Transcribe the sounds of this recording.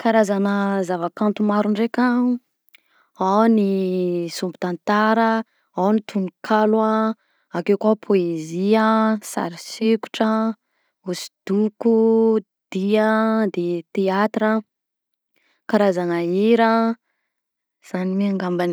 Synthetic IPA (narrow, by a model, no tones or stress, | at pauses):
kaɾazanəzavakant̪umaɾuɳɖ͡ʐekʲa | awnisumbu̥t̪ant̪aɾə | awnit̪ʰunukʰala | akewkapʰoeziasa̰ɾiseku̥ʈ͡ʂə | usi̥d̪̥uku | d̪̥iəd̪et̪eat̪ɾə | kaɾazanaiɾə | z̥animiaŋɡambani